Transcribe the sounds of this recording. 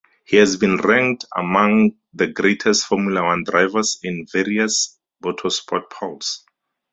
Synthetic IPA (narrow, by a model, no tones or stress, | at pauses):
hihɛzbĩnɹɛ̃ŋkta̰mãŋ | ðəɡɹetʰɛstfɔmjulawãndɹajvasĩnveɹias | b̥otʰɔspʰɔt̚pʰɔls